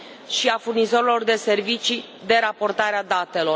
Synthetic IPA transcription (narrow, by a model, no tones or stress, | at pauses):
ʃiafurnizo̞ɾelo̞rd̪e̞se̞rvit͡ʃi | d̪e̞ɾapo̞rt̪aɾead̪at̪e̞lo̞